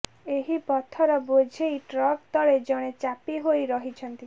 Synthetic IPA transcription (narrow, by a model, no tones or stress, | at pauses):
eɦipɔt̪ʰɔɾɔbod͡ʒʱejʈɾɔkt̪ɔɽed͡ʒɔɽ̃et͡ʃapiɦojɾɔɦit͡ʃʰɔnt̪i